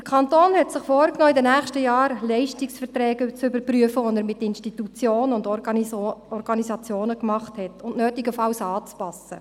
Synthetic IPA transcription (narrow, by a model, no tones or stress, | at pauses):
əkʰɑntoːnhɛtsɪχfoːɾknɔːɪdənæːχʃtəjɑːɾlɛɪʃtɪksfəɾtɾɛːɡət͡sʏbəɾpryəfəʋɔnəɾmɪtːɪnʃtitut͡sjoːnənʊnd | ɔɾɡ̥ɑnizɑt͡sjoːnəkmɑχthɛtʊntnøːtɪɡəfɑwsɑːt͡spɑsə̰